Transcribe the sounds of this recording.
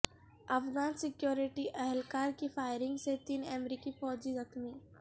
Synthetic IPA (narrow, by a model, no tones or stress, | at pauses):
ɐfɣaːnsɪkjoːɾɪʈiʔɛɦɛlkaːɾkifaːɪɾɪ̃ŋɡset̪iːnɛmɾiːkifɔːd͡ʒizɐxmi